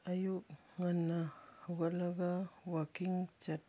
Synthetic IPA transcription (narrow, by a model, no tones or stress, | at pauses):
ajuk̚ | ŋanːahaɡalaɡawakiŋt͡ʃat̚